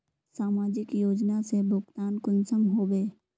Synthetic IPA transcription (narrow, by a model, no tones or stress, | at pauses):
saːmaːd͡ʒɪkjoːd͡ʒnasebʊɡt̪aːnkʊnsəmɦoːbeː